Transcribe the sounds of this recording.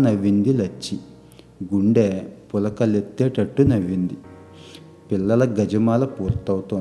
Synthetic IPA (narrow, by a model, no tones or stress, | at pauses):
nɐʋːind̪ilɐt͡ʃːi | ɡuɳɖeːpʊlɐkɐlet̪ːeːʈɐʈːunɐʋːind̪i | pilːɐlɐɡɐd͡ʒɐmaːlɐpuːɾt̪ɐwt̪on